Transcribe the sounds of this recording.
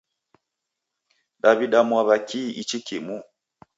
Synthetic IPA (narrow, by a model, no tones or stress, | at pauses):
ɗaβiɗamwaβakiʔit͡ʃikimu